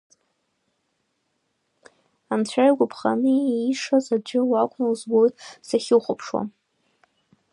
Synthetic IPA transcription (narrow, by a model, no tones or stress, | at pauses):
amt͡ɕʷʰajɡʷʊpʰχa̰nɨiʂazad͡ʒʷɪwakʷʰʼnalzbo̞jtʼsaχʲɪwχʷʊpʰʂwa̰